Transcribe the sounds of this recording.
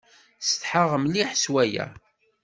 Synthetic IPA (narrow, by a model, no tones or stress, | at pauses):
st̪ħəʁəmliħswæjæ̰